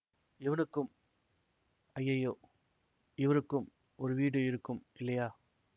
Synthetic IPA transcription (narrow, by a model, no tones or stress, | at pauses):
ɪʋɐnɯkːɯm | ɐjːɐjoː | ɪʋɐɾɯkːɯm | ɔɾɯʋiːɽɯɪɾɯkːɯmɪlːɐjaː